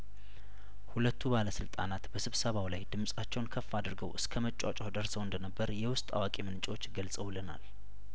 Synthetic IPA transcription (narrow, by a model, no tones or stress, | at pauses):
hulət̪ːubaləsɨlt̪ʼa̰nat̪bəsɨβsəβawlajd̪ɨmsʼat͡ʃːɛwnkʰəfːad̪ɨɾɡəwʔɨskʰəmət͡ʃʼːa̰t͡ʃʼawd̪əɾsəwɨnd̪ənəbːəɾjɛwʊst̪ʼa̰wakʼemɨnt͡ʃʼwot͡ʃːɡəlsʼəwləna̰l